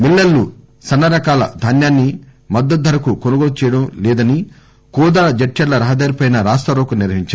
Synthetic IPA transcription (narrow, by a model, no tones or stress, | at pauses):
milːɐlːu | sɐnːɐɾɐkaːlɐ̰d̪ʱɐnjaːnːi | mɐd̪ːɐt̪̚d̪ɐɾɐkukonuɡoːɽut͡ʃɛːjɐɽɐmlɛːd̪ɐni | kuːd̪aːd͡ʒɐʈʃɐɽlɐɾɐɦɐd̪aːɾipɐjnɐɾaːst̪ɐɾoːkuniɾʋɐɦiɲt͡ʃaː